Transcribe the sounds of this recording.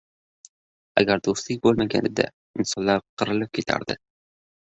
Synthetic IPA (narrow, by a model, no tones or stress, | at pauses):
a̰ɡʲaɾd̪ost̪lɪk̚ʲbolˠmaɡʲa̰nɪd̪a̰ | ɪnsɒnlːˠaɾqʰɨɾɨlɪp̚kʲʰet̪ʰa̰ɾd̪ɪ̰